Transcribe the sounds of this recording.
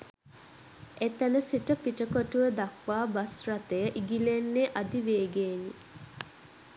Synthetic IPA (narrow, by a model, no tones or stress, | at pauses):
ʔet̪ənəsiʈəpiʈəkoʈuʋəd̪akʋaːbasrat̪əjəʔiɡilenːeʔad̪iʋeːɡeːni